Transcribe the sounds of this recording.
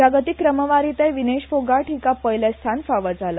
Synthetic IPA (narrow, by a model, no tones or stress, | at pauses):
aɡət̪ikːɾəməʋaɾit̪ajʋineɕfoɡaʈʰikapəjlest̪ʰanfaʋət͡sala